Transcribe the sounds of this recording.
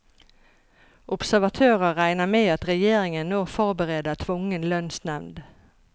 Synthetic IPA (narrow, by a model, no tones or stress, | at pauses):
ʔʊpsæʁʋɑt̪ʰøːʁəːæɪnəmeːɑt̪ʁɛjeːɾɪŋənːoːfɔʁbəʁeːd̪ət̪ʰʋʊŋənlœnsnɛʋnd̪